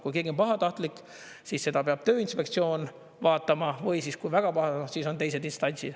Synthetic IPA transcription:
kujkeɡio̞npɑɦɑt̪ɑht̪likːˑ | siːsːe̞d̪̥ɑpeɑb̥̚t̪ø̞ːinspe̞kt̪sio̞ːn | vɑːt̪ːˑɑmɑvɤjsiskujvæɡ̥ɑpɑhɑsiːso̞nt̪ejs̬e̞d̪inst̪ɑnʲsid̪̥

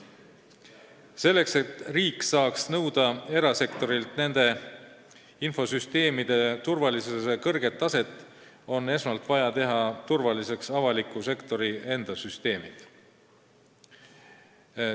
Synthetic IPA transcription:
se̞lːe̞kset̪riːksɑːksnɤwd̪̥ɑe̞ɾɑse̞kt̪o̞ɾilt̪ne̞nd̪̥e̞ | info̞syst̪e̞ːmid̪̥e̞t̪urvɑlisuesekɤrɡ̥e̞t̪ːˑɑse̞t̪ːˑ | o̞nːe̞smɑlt̪ˑvɑjɑt̪e̞ɦɑt̪urvɑlise̞ksɑvɑlikːˑuse̞kt̪o̞ɾie̞nd̪̥ɑsyst̪e̞ːmid̪̥

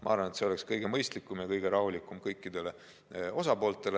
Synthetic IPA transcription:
mɑ̰ɑɾrvɑne̞t̪seo̞le̞kskɤjɡ̥e̞mɤjst̪likːˑumjɑkɤjɡ̥eɾɑɦulikˑːumkɤjkːid̪̥e̞le̞ | o̞sɑpo̞ːlt̪ːˑe̞le

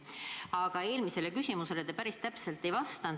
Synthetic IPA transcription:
ɑɡ̥ɑe̞ːlmise̞le̞kysʲimuse̞let̪epæɾist̪æpse̞lt̪ːe̞jvɑst̪ɑn

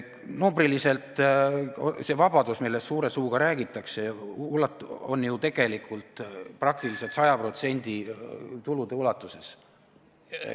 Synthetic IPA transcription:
numbrilise̞lt̪ˑ | ose̞vɑb̥ɑd̪usmilːessuːɾe̞suːɡ̥ɑɾæːɡ̥it̪ːˑɑkseulɑt̪o̞̰njut̪e̞ɡ̥e̞likʰult̪ˑprɑkt̪iliset̪sɑjɑpro̞t̪se̞nʲd̪̥it̪ulud̪̥e̞ulɑt̪ːˑuse̞s

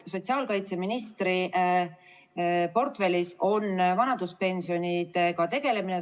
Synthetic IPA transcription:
so̞t̪ʲsiɑːlkɑjt̪se̞minist̪ɾiʔ | po̞rt̪fe̞lʲiso̞nvɑnɑd̪uspe̞nʲsio̞nʲid̪ekɑt̪e̞ɡ̥e̞le̞mine

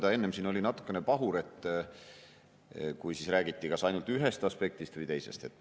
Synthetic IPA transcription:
d̪ɑe̞nːemsiːno̞lʲinɑt̪ːˑu̥kːˑe̞nepɑɦuɾe̞t̪ːˑ | kujsisræːɡ̥it̪ːikɑsɑjnult̪yɦest̪ɑspe̞k̚t̪ist̪vɨjt̪e̞jse̞̰st̪e̞t̪ːˑ

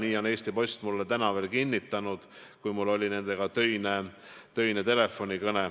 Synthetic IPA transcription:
niːo̞ne̞ːst̪ipo̞sʲt̪mulːet̪ænɑve̞ːlkinʲːit̪ːˑɑnud̪̥kujmulːo̞lʲine̞nd̪̥e̞ɡ̥ɑt̪ø̞jne | t̪ø̞jnet̪e̞le̞fːo̞nʲikɤne

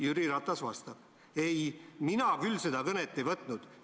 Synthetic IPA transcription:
jyɾiɾɑt̪ˑːɑsvɑst̪ɑb̥̚ | e̞jminɑkylse̞d̪ɑkɤnet̪ːe̞jvɤt̪ˑnud̪̥

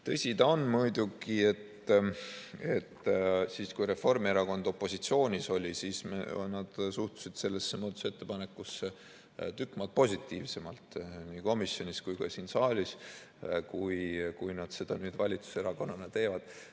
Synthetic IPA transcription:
t̪ɤsʲit̪ɑonmujd̪uɡie̞t̪ː | e̞t̪ːsiːskujɾe̞fo̞rmie̞ɾɑko̞nd̪̥o̞pːˑo̞sit̪sio̞ːnʲiso̞lʲisiːsmḛnɑd̪̥suht̪u̥sid̪̥se̞lːe̞sːemoːt̪use̞t̪ːe̞pɑne̞kːˑusːe | t̪ykːˑmɑlt̪̚po̞sʲit̪ːˑiːvse̞mɑlt̪niːko̞misjo̞nʲiskujkɑsiːnsɑːlʲis | kujkujnɑd̪̥se̞d̪̥ɑnyːd̪̥vɑlʲit̪su̥se̞ɾɑko̞nːɑnɑt̪e̞ːvɑd̪̥

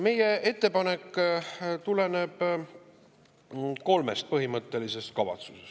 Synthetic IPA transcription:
me̞je̞ʔe̞t̪ːe̞pɑne̞kː | t̪ule̞ne̞b̥ | ko̞lme̞st̪̚pɤɦimɤt̪ˑːe̞lise̞st̪̚kɑvɑ̰t̪su̥ses

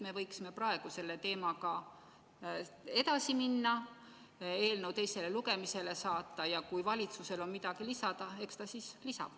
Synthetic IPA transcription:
me̞vɤjksime̞prɑe̞ɡ̥use̞lːe̞t̪e̞ːmɑkɑ | e̞t̪ɑsiminːɑ | e̞ːlnəwt̪e̞jse̞le̞luɡe̞mise̞le̞sɑːt̪ˑːɑjɑkujvɑlʲit̪suse̞lo̞nmid̪ɑɡ̥ilisɑd̪̥ɑe̞kst̪ɑsiːslisɑ̰b̥

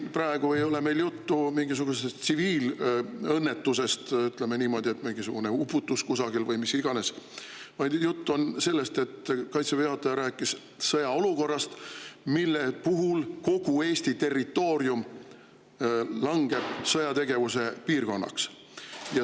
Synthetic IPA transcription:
prɑeɡ̥ue̞jo̞le̞me̞jljut̪ːumiŋɡis̬uɡ̥usest̪siviːlɤnːe̞t̪ːuse̞st̪yt̪lemeniːmo̞d̪̥ie̞t̪miŋɡisuɡ̥une̞upːut̪ːuskusɑɡ̥ilvɤjmisiɡ̥ɑne̞s | vɑjd̪jut̪ːuo̞nse̞lːe̞st̪e̞t̪ːkɑjt̪seveɑt̪ːˑɑjɑɾæːkːˑis | sɤjɑo̞luko̞rːɑst̪milːepuɦulko̞ɡ̥ue̞ːst̪it̪e̞rːit̪ːˑo̞ːɾjum | lɑŋɡ̥e̞b̥sɤjɑt̪e̞ɡe̞vuse̞piːrko̞nːɑ̰ks | jɑ

